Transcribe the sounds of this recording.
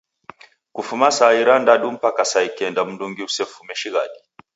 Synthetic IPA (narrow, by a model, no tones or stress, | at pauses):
kufumasaiɾandaɗum̩pakasaikɛndam̩nduŋɡiusɛfumɛʃiɣaɗi